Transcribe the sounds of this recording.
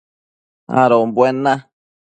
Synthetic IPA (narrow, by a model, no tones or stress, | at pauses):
a̰ɾombwenːa